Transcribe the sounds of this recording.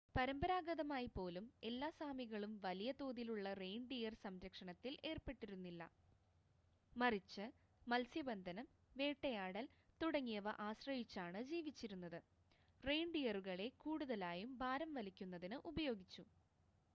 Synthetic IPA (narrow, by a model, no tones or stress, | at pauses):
pɐɾɐmbɐɾaːɡɐðɐmaːjipo̞ːlume̞lːaːsaːmiɣɐɭumʋɐlijɐt̪oːðiluɭːɐrejɳɖijɐrsɐmɾɐkʂɐɳɐt̪ːile̞ːrpe̞ʈːiɾunːilːɐ̰ | mɐrit͡ɕːɨ | mɐlsjɐbɐnd̪ʱɐnɐm | ʋe̞ːʈːɐjaːɽɐlt̪uɽɐŋːijɐʋɐ̰ʔaːɕrɐɦit͡ɕːaːɳɨd͡ʑiːʋit͡ɕːiɾunːɐðɨ | rejɳɖijɐruɣɐɭe̞kuːɽuðɐlaːjumbʱaːɾɐmʋɐlikʲːunːɐðinɨʔubɐjo̞ːɡit͡ɕːu